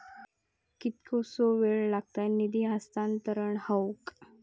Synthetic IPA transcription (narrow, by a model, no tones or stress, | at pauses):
kit̪kʰosoʋeɭlaɡ̚t̪ajnid̪iɦast̪ant̪əɾəɳhawuk